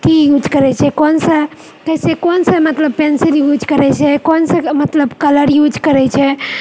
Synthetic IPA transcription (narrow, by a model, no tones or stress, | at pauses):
t̪ijud͡ʒʱkəɾɛt͡ʃʰɛkonsə | k̪əsekonsəmət̪ləb̚penseljud͡ʒʱkəɾɛt͡ʃʰɛkonsəmət̪ləbkələɾjud͡ʒkəɾɛt͡ʃʰɛ